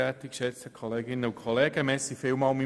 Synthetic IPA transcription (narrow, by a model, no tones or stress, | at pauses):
ɛt̪ikʃɛt͡səkʰoleːɡɪnəʊkʰolɛːɡ̥əmɛsifɪlmɑlmi